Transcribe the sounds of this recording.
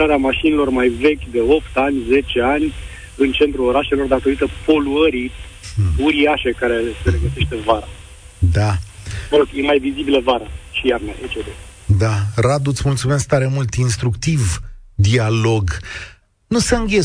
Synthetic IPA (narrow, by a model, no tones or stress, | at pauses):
aɾeamaʃinilo̞rmajve̞kʲd̪e̞o̞pt̪anʲze̞t͡ʃe̞anʲ | ɨnt͡ʃe̞nt̪ɾuo̞ɾaʃe̞lo̞rd̪at̪o̞ɾit̪əpo̞luəɾi | uɾiaʃe̞kaɾe̞seɾeɡəse̞ʃt̪e̞vaɾa | d̪aməɾoɡjemajvizibiləvaɾaʃijarnəʔet͡ʃed̪ed̪arad̪ut̪smult̪sume̞sk̚t̪aɾemult̪inst̪ɾukt̪ivd̪ialo̞ɡ | nusəɨŋɡʲe